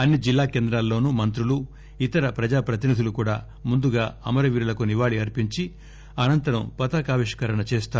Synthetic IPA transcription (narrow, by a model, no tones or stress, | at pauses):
ɐnːid͡ʒilːaːkeːnd̪ɾaːlːo̞ːnumɐnt̪ɾulu | it̪ɐɾɐpɾɐd͡ʒaːpɾɐt̪̬inid̪ʱulukuːɽaː | mund̪uɡaːɐmɐɾɐʋiːɾulɐkuniʋaːɭiɐɾpiɲt͡ʃi | ɐnɐnt̪ɐɾɐmpɐt̪ɐkaːʋiʂkɐɾɐɳɐt͡ʃeːst̪aː